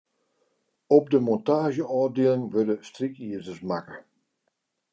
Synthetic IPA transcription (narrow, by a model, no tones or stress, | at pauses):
ɔb̚dəmɔntaːʒəɔːdeəlˠɪŋʋødəstrikiəzəsmakə